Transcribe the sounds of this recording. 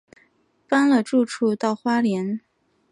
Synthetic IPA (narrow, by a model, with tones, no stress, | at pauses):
pa˥nlə˨ʈ͡ʂu˥˧ʈ͡ʂʰu˥˧t̪ɑ˥˩ʊxwa˥ljɛ˧˥n